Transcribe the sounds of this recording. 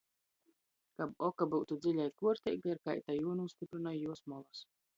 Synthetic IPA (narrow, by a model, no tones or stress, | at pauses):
kabɔkabuwt̪ud̪zilʲajkuɔɾt̪ʲɛ̰jɡaɾkajt̪ajuɔnust̪ipɾɨnajjuɔsmɔlˠas